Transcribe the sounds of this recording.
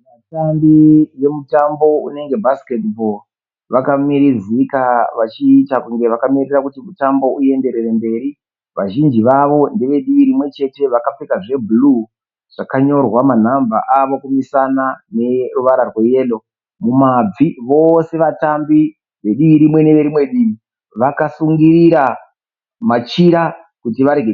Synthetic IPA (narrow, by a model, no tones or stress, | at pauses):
ʋatambiʋe̞mutambo̞ṵne̞ŋɡe̞bʱasi̥ke̞tbo̞l | ʋakamiɾizikaʋat͡ʃiːtakuŋɡe̞ʋakamirirakutimutambo̞ʔue̞nde̞ɾe̞re̞mbe̞ːɾi | ʋaʒind͡ʒiʋaʋo̞nde̞ʋe̞ɗiʋiɾimwe̞t͡ʃe̞te̞ʋakap͡fekaʐe̞bʱulu | ʐ̥akaɲo̞rwaman̤ambaʔaʋo̞kumisanane̞ruʋaɾarwe̞je̞ːlo̞ | mumab͡viʋo̞se̞ʋatambi | ʋe̞ɗiʋiɾimwe̞ne̞ʋe̞ɾimwe̞ɗiːʋi | ʋakasuŋɡiɾiɾa | mat͡ʃiɾa | kutiʋaɾeɡe